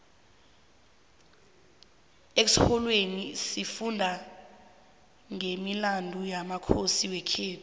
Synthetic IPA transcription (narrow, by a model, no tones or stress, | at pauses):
eksihɔlwenisifundʱa | ŋemilandʱujamakʰosiwɛkʰeːtʰu̥